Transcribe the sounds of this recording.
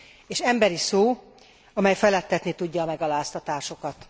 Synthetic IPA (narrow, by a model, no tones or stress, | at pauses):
eːʃɛmbɛɾisoː | ɒmɛjfɛlɛt̪ːɛt̪nit̪uɟːɒːmɛɡɒlaːst̪ɒt̪aːʃo̞kɒt̪